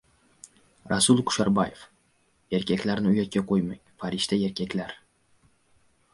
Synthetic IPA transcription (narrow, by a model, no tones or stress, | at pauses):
ɾʔasʊlˠkʰʊ̥ʃaɾbajef | e̞ɾkʲʰakʲlaɾnɪʊjat̪̚kʲaqʰojmaŋʲfaɾɪʃt̪ae̞ɾkʲʰakʲlaɾ